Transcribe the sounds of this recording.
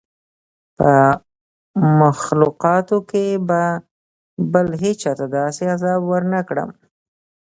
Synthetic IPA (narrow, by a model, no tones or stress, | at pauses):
pə | maxluqɑt̪okeba | bəlɦet͡ʃɑt̪ad̪ɑseazɑbwəɾnəkɽə̰m